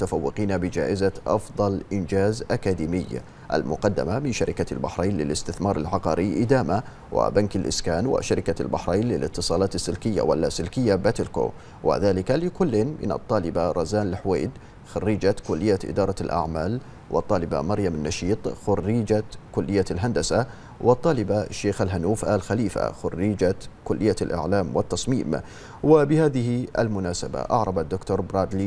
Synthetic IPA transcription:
t̪afawːɪqiːnabɪd͡ʒa̰ːʔɪzaʔɑ̰fðˤɑlʔɪnd͡ʒaːzʔakad̪iːmɪjː | ʔa̰lmʊqɑd̪ːa̰mamɪnʃaɾɪkalbaħɾˤeːnlɪlɪst̪ɪθmɑːɾˤalʕɑqɑːɾɪʔɪd̪aːma | wa̰bankalʔɪ̰skaːnwɪ̰ʃaɾɪkalbaħɾˤejnlɪlʔɪt̪ːɨsˤɑːlɑːt̪asːɪlkɪjːa̰walːasɪlkɪjːabat̪ɪlko̰ː | wʔɪ̰ðaːlɪkalɪkʊlːmɪ̰nɑ̰t̪ˤːɑːlɪbaɾˤɑzaːnɪlħwḛːd̪ | xʊrːiːd͡ʒakʊlːɪjːaʔɪ̰d̪ɑːɾˤɑlʔa̰ʕmaːl | wʔɨ̰t̪ˤːɑːlɪba̰mɑɾjamanːɑʃiːt̪ˤxʊrːiːd͡ʒakʊlːɪjːalɦand̪asa | wʔɪt̪ˤːɑːlɪbaʃːeːxalɦanuːfʔalxaliːfa̰xʊ̰rːiːd͡ʒakʊlːɪjːalʔa̰ʕlaːmwɪt̪ːɑsˤmiːm | wɪbɪhaːðɪhɪʔa̰lmʊnaːsaba̰ʔɑ̰ʕɾˤɑbad̪ːʊkt̪ʊɾˤbɾˤaːd̪li

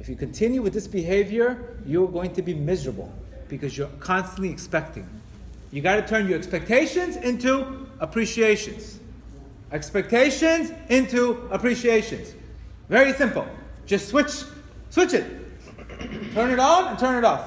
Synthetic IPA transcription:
ɨfjɨkɨ̃n̩tʰɪ̃njʉwɨðɪsb̥ɨɦeɪvjə˞jəɡoʊɪ̃ŋtʰɨbimɪzəɹəbl̩ˠ | b̥ɨkʰʌzjə˞kʰɑ̃nstə̃n̩ʔliɨkspɛk̚tɪ̰̃ŋ | jɨɡɑɾɨtʰɜ̃˞njə˞ɛkspɛk̚tʰeɪʃɨ̃nzɪ̃ntuəpʰɹ̥iʃieɪʃɨ̃nz̥ | ɛkspɛk̚tʰeɪʃɨ̃nzɪ̃ntʰuəpʰɹ̥iʃieɪʃɨ̃nz̥ | vɛɹisɪ̃mpl̩̥ˠd͡ʒ̥ʌstswɪt͡ʃ | swɪt͡ʃɨt̚ | tʰɜ̃˞nɨɾnə̃ntʰɜ̃˞nɨɾɔf

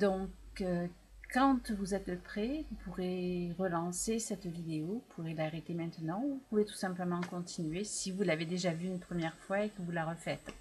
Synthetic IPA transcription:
d̪ɔ̃kø | kɑ̃t̪vuzɛt̪ləpχɛvupuʁeʁəlɑ̃sesɛt̪vid̪eopʰuʁelaʁet̪emɛ̃t̪ənɑ̃uupuvet̪u̥sɛ̃pləmɑ̃kɔ̃t̪ʰinɥesivulaved̪eʒavyːnpχəmjɛʁfwaekəvulaʁəfɛt̪

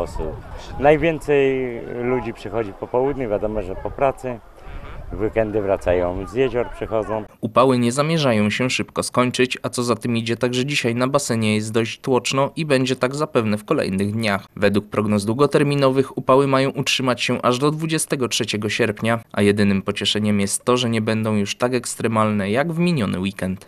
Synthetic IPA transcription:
ɔsunajvʲjɛnt̪sɛjlud͡ʑipʂɘxɔd͡ʑipɔpɔwud̪ʲɲuvʲjad̪ɔmɔʐɛpɔpɾat̪sɘ | vɘkɛnd̪ɘvɾat̪sajɔ̃w̃zjɛʑɔɾpʂɘxɔd̪zɔ̃w̃upawɘɲɛzamʲjɛʐajɔ̃w̃ɕɛʂɘpkɔskɔɲt͡ʂɘt͡ɕat̪sɔzat̪ɘmid͡ʑɛt̪aɡʐɛd͡ʑiɕajnabasɛɲɛjɛst̪d̪ɔɕt͡ɕt̪wɔt͡ʂnɔʔibɛɲd͡ʑɛt̪aɡzapɛvnɛfkɔlɛ̰jnɘɣd̪ɲaxvɛd̪wuk̚pɾɔɡnɔzd̪wuɡɔt̪ɛɾmʲinɔvɘxupawɘmajɔ̃w̃ʔutʂɘmat͡ɕɕɛʔaʐd̪ɔd̪vud͡ʑɛst̪ɛɡɔtʂɛt͡ɕɛɡɔɕɛɾpɲaʔa̰jɛd̪ɘnɘmpɔt͡ɕɛʂɛɲɛmjɛst̪ːɔʐɛɲɛbɛnd̪ɔ̃w̃juʂt̪akɛkst̪ɾɛmalnɛjaɡvmʲiɲɔnɘ̰wikɛnt̪

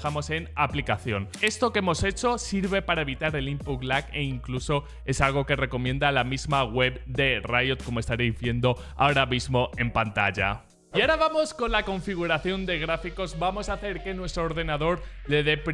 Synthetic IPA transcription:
amo̞se̞naplikaθjo̞ne̞st̪o̞kemo̞se̞t͡ʃo̞siɾβe̞paɾae̞βit̪aɾe̞limpuklakḛiŋkluso̞ | e̞salɣ̞o̞ke̞re̞ko̞mje̞nd̪alamizmaɣwe̞βd̪e̞rajot̪̚ko̞moe̞st̪aɾejzβje̞nd̪o̞ | a̰oɾamizmo̞e̞mpant̪a̰ʝa̰ | iaɾaβamo̞sko̞nlako̞ɱfiɣ̞uɾaθjo̞nd̪e̞ɣ̞ɾafiko̞zbamo̞saθe̞ɾke̞nwe̞st̪ɾoːɾðe̞naðo̞ɾle̞ðe̞pɾ

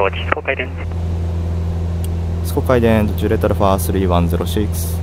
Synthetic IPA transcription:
ot͡ɕi̥sɨ̥kokaid̪ẽn | sɨ̥kokaid̪ẽd̪ot͡ɕɨːɾet̪oɾɯɸaːsɨɾʲiːβãnzeɾʔo̞ɕikɯ̥sɨ̥

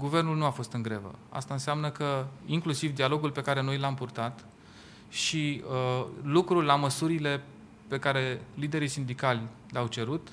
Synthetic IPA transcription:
ɡuve̞rnulnuafo̞st̪ɨŋɡɾevə̰a̰st̪aɨnseamnəkəiŋklusivd̪ialo̞ɡulpe̞kaɾe̞no̞jlampurt̪at̪ | ʃiəlukɾulaməsuɾile̞ | pe̞kaɾe̞lid̪e̞ɾisind̪ikalʲ | leawt͡ʃe̞ɾut̪

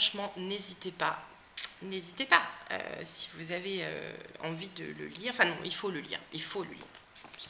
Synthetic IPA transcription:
ɑ̃ʃmɑ̃nezit̪epa | nezit̪epaø̰si̥vuzaveø̰ɑ̰̃vid̪ə̰lə̰liʁɑ̃fɛ̃nɔ̃ʔilfoləlḭːʁilfolə̰lḭːʁ

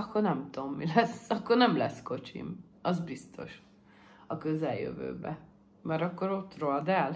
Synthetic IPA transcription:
ɒkːornɛmt̪oomːilɛsɒkːo̞rnɛmlɛsko̞t͡ʃḭm | ɒzbist̪o̞̰ʃ | ɒkøzɛljø̰vø̰ːbɛ̰ | mɛɾɒkːo̞ɾo̞t̪ːroɒd̪ɛl

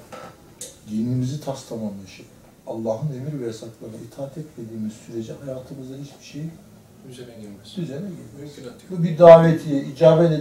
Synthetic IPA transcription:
ɟ̪inimizit̪ʰast̪ʰamanɯʃɯ | alˠːaːɦɯne̞miɾvɛjasaklˠaɾɯnɯit̪ʰaːat̪ʰɛt̪me̞d̪iːmiz̥syɾe̞d͡ʒɛhajaːt̪ʰɯmɯzahit͡ʃbi̥ʃeji | yzenɛɟiɾmsbubid̪aːvet̪ʰijɛid͡ʒaːbɛd̪e

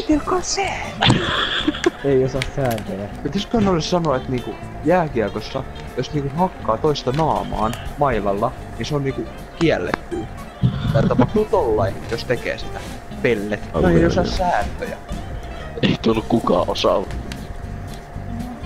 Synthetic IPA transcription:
t̪ikɑsæ | eiosɑssæːnt̪øjæpit̪æskønolːessɑnoet̪niːŋku | jæːkiɑkosːɑ | josniːŋkuhɑkːɑːt̪oist̪ɑnɑːmɑ̰ːnmɑilɑlːɑ | niːnseonniːku | kiælːḛt̪ːyː | ɑett̪ːɑpɑht̪uːt̪olːɑijost̪ekḛːsi̥t̪æ | pelːet̪ːeijosɑssæːnt̪øjæ̰ | eit̪ulːukkukɑ̰ːʔosɑ̰

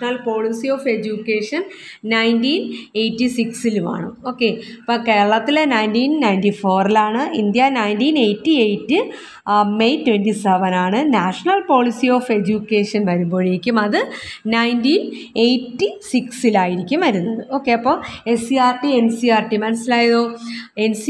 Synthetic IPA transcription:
nɐlpo̞ːɭisijo̞ːfed͡ʑukːe̞ːʂɐn | nɐjntiːnejtːisiksiluma̰ːɳɨo̞ːkːe̞pɐke̞ːɐɭɐt̪ːilenɐjntiːnnɐjndifo̞ːrilaːɳɨḭnd̪jɐnɐjntiːnejtːiejtːɨ | me̞jtwendiseʋɐnaːɳɨnaːʂɐɳɐlpo̞ːɭisio̞ːfe̞d͡ʑukːe̞ːʂɐnʋɐɾumbo̞ːɻiɾikʲːumɐðɨnɐjndiːn | ejtːisiksilaːjiɾikʲːumʋɐɾunːɐðɨo̞ːkːe̞ɐpːo̞ːesiaːrʈie̞nsiaːrʈimɐnɐsilaːjɐðoːe̞nsi

